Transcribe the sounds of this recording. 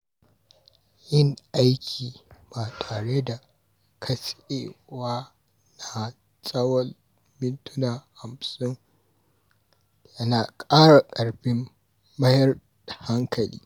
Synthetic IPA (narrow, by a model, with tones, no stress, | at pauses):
jɪ˦ŋʔa˦jkʲʰiː˨baː˨tʰaː˨ɽe˦da˨ | kʰɐ˦sʔeː˨waː˦ | na˨ | sʼɐ˦wɐ˦l | mɪ˦ntʊ˦naː˨ha˨msʊ˦ŋ | jɐ˦naː˨kʼaː˦ɽa˨kʼɐ˨ɽɸɪ˦mː | ɐ˦jɐ˦r | da˨ha˦ŋkʰɐ˨lḭː˦